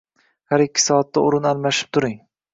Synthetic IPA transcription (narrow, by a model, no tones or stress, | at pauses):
haɾɪkʲːɪ̥sɒːat̪ʰːaʊɾɪnalˠmaʃɪ̥p̚t̪ʰʊɾɪŋ